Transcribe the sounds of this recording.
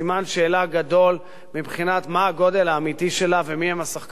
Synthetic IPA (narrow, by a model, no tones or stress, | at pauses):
imanʃe̞ːlaɡad̪o̞l | mibχinat̪maːɡo̞d̪e̞laːmit̪iʃe̞lavemihemasaχk